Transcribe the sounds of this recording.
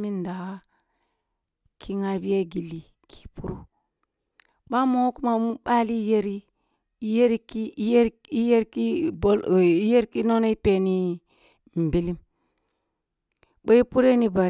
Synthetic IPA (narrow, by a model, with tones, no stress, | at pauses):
mi˦nda˨a˦ | kʰi˦ŋa˨bi˦ja˦ɡi˨li˨ | kʰi̥˦˨pu˦ɾo˦ | ɓa˦mo˦ku˦ma˨mu˦ɓa˦li˦je˦ɾi˦ | je˦ɾi˦ki˦e˦ɾ | i˦je˦ɾki˦bo˦li˦je˦ɾki˦no˦no˦i˦pe˨ni˦ | m̩˨bi˦li˦m | bo˦i˦pu˦ɾe˦ni˦ba˨ɾ